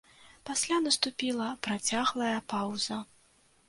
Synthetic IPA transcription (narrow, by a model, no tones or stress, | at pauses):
pasʲlʲanɐst̪upʲilˠɐpɾat͡sʲaɣlˠɐjɐpawzɐ